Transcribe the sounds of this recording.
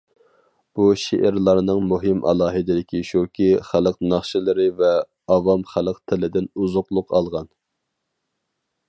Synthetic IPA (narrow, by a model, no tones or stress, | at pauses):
b̥uʃḛʔɪɾlˠɑɾnɨŋmuɦɪmʔɑ̰lˠɑːɦɨd̪ɪd̪ɪkʲiʃukʲʰiχæləqnɑχʃɪlˠɨɾɪvɛ | ɑvɑmχælˠəqt̪ʰɪlɪd̪ɪnuzʊqlˠʊqʰɑlˠʁɑn